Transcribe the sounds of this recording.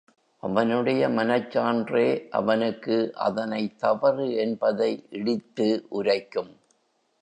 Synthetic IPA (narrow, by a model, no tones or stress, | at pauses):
ʔɐʋɐnɯɽɐjɐmɐnɐt͡ʃːaːndreːʔɐ̰ʋɐnɯkːɯʔɐ̰ðɐnɐɪt̪ːɐʋɐrɯɛnbɐðɐɪʔɪɽɪt̪ːɯʔʊɾɐɪkːɯm